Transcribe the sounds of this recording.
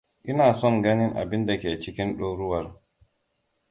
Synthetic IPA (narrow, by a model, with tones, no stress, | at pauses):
ʔɪ˦naː˨sɔ˦ŋɡɐ˦nɪ˦ŋʔa̰˨bɪ˦nda˨kʲeː˨t͡ʃɪ˦kʲɪ˦nɗoː˦ɾʊ˦wɐ˨r